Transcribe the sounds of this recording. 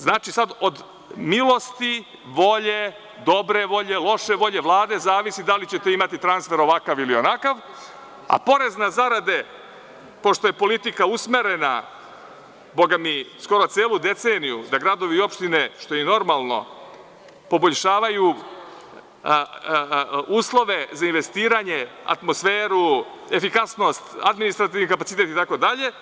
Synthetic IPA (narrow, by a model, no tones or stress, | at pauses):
znaːt͡ʃisad̪o̞d̪ | milˠo̞st̪i | ʋo̞ʎe | d̪o̞bɾe̞ʋo̞ʎe̞lˠo̞ʃe̞ʋo̞ʎe̞ʋlˠaːd̪e̞zaːʋisid̪alit͡ɕe̞t̪e̞imat̪it̪ɾansfe̞ɾo̞ʋakaʋilio̞nakaʋ | a̰po̞ɾe̞znazaɾad̪e̞ | po̞ʃt̪ojepo̞lit̪ikausme̞ɾe̞na | bo̞ɡamisko̞ɾo̞t̪seːlˠud̪e̞t̪seːnijud̪aɡɾad̪o̞ʋio̞pʃt̪ine̞ʃt̪o̞ino̞ɾmalˠno̞̰ | po̞bo̞ʎʃaːʋaju | uːslˠo̞ʋe̞zainʋe̞st̪iːɾaɲe̞a̰t̪mo̞sfeːɾu | efikasno̞st̪ad̪minist̪ɾat̪iʋnikapat̪sit̪e̞t̪it̪ako̞d̪aʎe̞